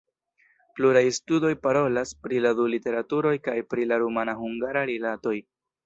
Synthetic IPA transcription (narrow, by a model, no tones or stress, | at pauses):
pluɾajstudo̞jpaɾo̞laspɾiladulite̞ɾatuɾo̞jkajpɾilaɾumanahuŋɡaɾaɾilato̞j